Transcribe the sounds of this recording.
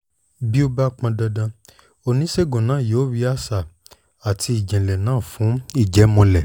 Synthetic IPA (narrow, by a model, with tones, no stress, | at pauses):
bi˦o˦ba˦k͡pã˧da˧dã˧ | o˧nĩ˨˦se˦˨ɡõ˨nãː˨˦˨jo˨˦ɾi˧˦a˦sa˨ | a˨tʰi˧i˨d͡ʒɛ̃˨lɛ˨nãː˦˨fũ˨˦i˦˨d͡ʒɛ˨˦mɔ̃˧lɛ˨